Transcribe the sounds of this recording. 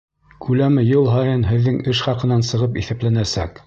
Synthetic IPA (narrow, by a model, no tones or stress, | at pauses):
kʰʉlæmɘjɤlˠɦɑjɤnɦɘ̆ðːɘŋɘʃχɑqɤ̆nɑnsɤ̆ʁɤpiθæplænæsæ̰k